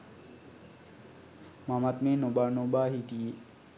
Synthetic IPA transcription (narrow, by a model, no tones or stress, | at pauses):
mamat̪meːnobanobaːɦiʈie